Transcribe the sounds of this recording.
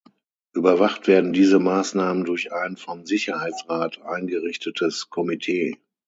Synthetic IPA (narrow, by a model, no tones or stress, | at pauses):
ʔyːbɐvaχtv̥eːɐdn̩diːzəmaːsnaːməndʊɐçʔaɪnfɔmzɪçɐhaɪt͡sʁaːtʰʔaɪnɡəʁɪçtʰətʰəskʰɔmitʰeː